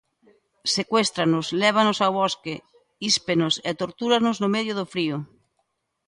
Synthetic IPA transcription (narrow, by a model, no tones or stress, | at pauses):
sekwest̪ɾanʊslɛβ̞anosawβɔske | ispenosḛt̪oɾt̪uɾanoznomeðjoðofɾio